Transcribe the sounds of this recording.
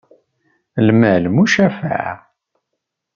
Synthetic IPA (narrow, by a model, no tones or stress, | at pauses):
lmælmuʃæfa̰ʕ